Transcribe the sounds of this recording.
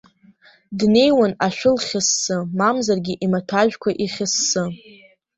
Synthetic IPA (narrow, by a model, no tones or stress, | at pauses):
dne̞jwanaʃᶣʊlχʲɪsːɨmamzarɡʲiʔimatʰaʒᶣkʷʰaʔiχʲɪsːɨ